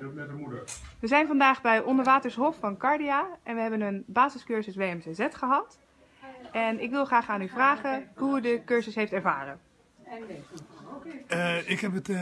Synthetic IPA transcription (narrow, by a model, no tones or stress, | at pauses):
ʋəzɛjnvɑndaːχbɛjʔɔndəɹʋaːtəɹsɦɔfːɑnkɑɹdijaːʔɛnʋəɦɛbənənbaːzəskøɹzəsʋeːɛmsezɛtχəɦɑt | ɛnɪkʋɪlˠχraːχaːnyvraːχəɦuydəkøɹzəsɦejftɛɹva̰ːrə | ɪkɦɛpət